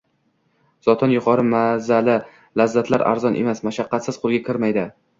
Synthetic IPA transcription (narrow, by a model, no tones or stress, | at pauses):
z̥ɒt̪ʰɒnjʊqʰɒɾɪmazalɪ | lazːat̪ʰlaɾʔa̰ɾzɒnʔḛmasmaʃaqːɑt̪sɪz̥qʰʊlˠɡʲakʲʰɪɾmajd̪ɪ